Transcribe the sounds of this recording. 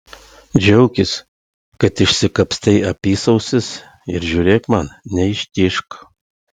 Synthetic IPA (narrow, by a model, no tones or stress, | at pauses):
d͡ʒʲɛʊkʲɪs | kɐt̪ɪʃʲsʲɪkɐpʲsʲt̪ʲɛɪɐpʲiːsɐʊsʲɪs | ɪɾʒʲuɾʲeːkmɐnnʲɛɪʃʲt̪ʲɪʃk